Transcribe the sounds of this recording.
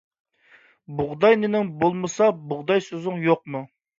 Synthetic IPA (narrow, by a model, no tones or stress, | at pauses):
bʊʁd̪ɑjnɪnɪŋbolˠmɨsɑbʊʁd̪ɑjsøzɪŋjoq̚mu